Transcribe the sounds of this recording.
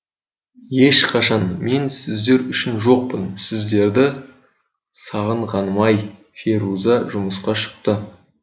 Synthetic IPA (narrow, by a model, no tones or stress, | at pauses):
je̞ʃqʰɑʃɑnme̞nsɪzd̪e̞ɾʏʃɪnʒo̞q̚pənsɪzd̪e̞ɾd̪ɪ | sɑʁəɴʁɑnmɑj | feɾuzɑʒʊməsqɑʃə̥q̚t̪ə